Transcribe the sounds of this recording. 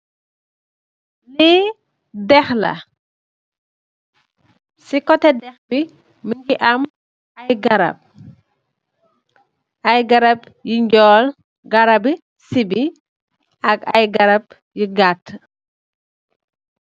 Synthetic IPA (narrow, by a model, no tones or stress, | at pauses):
li | dɛxlɐ̰ | sikɔtɛdɛxbi | miɲɡiʔɐm | ɐjɡɐɾɐ̰p̚ | ɐjɡɐɾɐp | jiɲɟɔːl | ɡɐɾɐbi | sibi | ɐkɐ̰jɡɐɾɐp̚ | jiɡatː